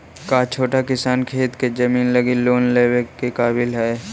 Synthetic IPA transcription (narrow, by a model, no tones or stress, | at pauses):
kat͡ʃʰoːʈakɪsaːnkʰeːt̪ked͡ʒɐmiːnləɡiloːnleːwekːekaːbɪlɦɛː